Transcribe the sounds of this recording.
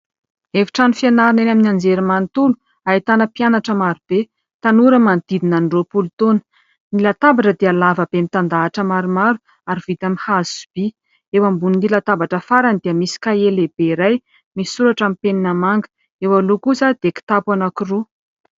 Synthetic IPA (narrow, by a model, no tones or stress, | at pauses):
evi̥ʈ͡ʂanufianaɾinenaminand͡zeɾimant̪ulu | ait̪anəpijanaʈ͡ʂəmaɾub̥e | t̪anuɾəmand̪̥id̪inanɖ͡ʐopult̪onə̥ | nilat̪abaʈ͡ʂəd̪ealavəb̥emit̪and̪aːʈ͡ʂəmaɾumaɾu | aɾiv̥it̪amihazi̥su̥b̥i | ewambuniːilat̪abaʈ͡ʂəfaɾand̪iəmisi̥kaelebeiɾaj | misuɾaʈ͡ʂamipeninəmaŋɡə̥ | ewalukusad̪eki̥t̪apwanakiru